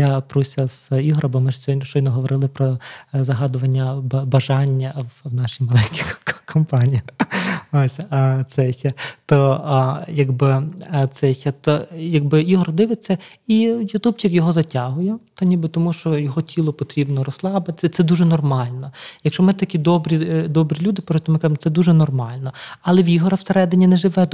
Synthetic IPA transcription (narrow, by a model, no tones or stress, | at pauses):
japɾusʲɐz̥iɦɾɐbɔmɪʃt͡ʃɔjnɔɦɔʋɔɾɪlˠɪpɾɔzɐɦɑd̪ʊʋɐnʲːɐbbɐʒɑnʲːɐwwnɑʃijmɐlˠɛnʲkʲikkʰɔmpɑnʲiji | osʲɐt̪sɛʃɛt̪ɔ | jɐɡbɪt̪sɛʃɛt̪ɔjɐɡbɪiɦɔrɔd̪ɪʋɪt͡sʲːɐijɐt̪upt͡ʃɪkjɔɦɔzɐtʲaɦʊjɛt̪ɔnʲibɪt̪ɔmuʃt͡ʃɔjɔɦɔtʲʰilˠɔpɔt̪ɾʲibnɔɾɔslˠɑbɪt̪t͡ssʲɐt̪sɛd̪uʒɛnɔrmɑlʲnɔjɐkʃt͡ʃɔmɪt̪ɐkʲid̪ɔbɾʲid̪ɔbɾʲilʲud̪ɪpɔt̪ʲɔmɪkɑʒɪmɔt̪ɛd̪uʒɛnɔrmɑlʲnɔɐlˠɛʋʲiɦɔɾɐwseɾɛd̪ɪnʲinɛʒɪʋɛ